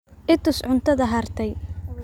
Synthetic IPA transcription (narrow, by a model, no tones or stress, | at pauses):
ʔɪt̪ʊsʕʊnt̪ʰɐðɐɦɐrt̪ʰɛj